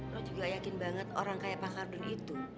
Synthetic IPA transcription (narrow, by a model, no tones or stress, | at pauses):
ɾɔd͡ʒuɡajakɪnbaŋət̪oɾaŋkajapakardʊnit̪u